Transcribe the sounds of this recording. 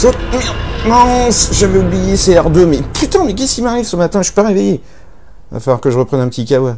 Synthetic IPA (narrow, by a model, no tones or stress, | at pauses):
sotminɔ̃sʒavɛublijeseɛʁd̪ømɛpyt̪ɑ̃mɛk̬ʲɛskʲimaʁivsəmat̪ɛ̃ʃɥi̥paʁeveje | a̰falwaʁkəʒəʁəpχɛnɛ̃pət̪ikʲawa